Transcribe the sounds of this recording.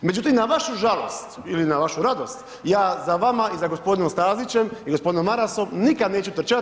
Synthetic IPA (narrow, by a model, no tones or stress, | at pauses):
me̞d͡ʑut̪imnaʋaʃuʒalost̪ilinaʋaʃuɾad̪o̞st̪ | jaːzaʋamaizaɡo̞spo̞d̪inomst̪aːzit͡ɕe̞miɡospd̪inomːaɾaso̞mnikad̪ne̞ːt͡ʃut̪r̩t͡ʃa